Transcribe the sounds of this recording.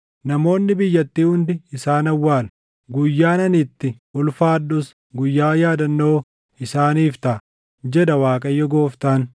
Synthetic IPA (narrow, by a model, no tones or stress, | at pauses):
nɐmo̞ːnːɪbɪjːɐt̪ːiːhʊnd̪ɪɪsaːnɐwːaːl | ɡʊjːaːnɐnɪt̪ːɪʔʊlfaːd̪ːʊs | ɡʊjːaːjaːd̪ɐnːoː | ɪsaːniːft̪ɐ | d͡ʒɛd̪ɐwaːkʼɐjːɔɡoːft̪aːn